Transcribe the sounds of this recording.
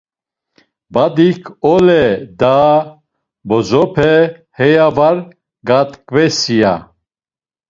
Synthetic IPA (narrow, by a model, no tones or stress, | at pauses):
bad̪ikʰɔlɛd̪a | bɔzɔpʰɛhɛjavaɾ | ɡat̪kvɛsija̰